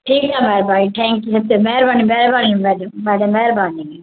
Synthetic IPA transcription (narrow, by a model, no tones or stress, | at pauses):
ʈʰiːkamɛːɾbaːiʈ̪ʰɛ̃ːŋkjuːsɐb̚t̪emeːɾbaːnĩmeːɾbaːnimɛːɖmɛːɖəmɛːɾbaːnii